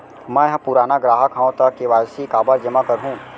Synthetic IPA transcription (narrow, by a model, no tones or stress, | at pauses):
mɛ̃jɦãpuɾaːnaɡɾaːɦəkʰãːõt̪akeʋaːjsikaːbaɾd͡ʒəmakəɾɦũ